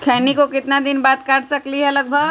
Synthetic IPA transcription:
kʰɛːnikokɪt̪nad̪ɪnbaːt̪̚kaːʈsɐkliɦɛɐləɡ̚bʱəɡ

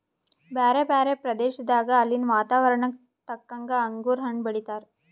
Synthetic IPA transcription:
baːɾebaːɾepɾɐd̪eːʃɐd̪aːɡɐːlːinʋaːt̪aːʋɐɾɐɳɐ | t̪ɐkːɐŋɡɐːŋɡuːɾɦɐɳbɐɽit̪aːɾ

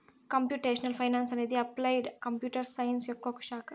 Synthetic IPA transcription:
kəmpjuʈeɕnəlfajnansaned̪iəplajɽkəmpjuːʈəɾsajnsjokːokɕak

